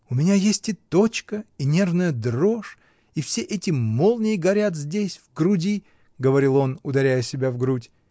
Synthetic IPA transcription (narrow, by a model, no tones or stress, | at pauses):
ʊmʲɪnʲajesʲtʲɪt̪o̞t͡ɕkəinʲe̞rvnəjəd̪roʂ | ifsʲeʔɛtʲɪmolˠnʲɪjɪɡɐɾʲat̪zʲdʲesʲvɡɾʊdʲi | ɡəvɐɾʲilˠo̞nʊd̪ɐɾʲæjəsʲɪbʲavɡɾutʲ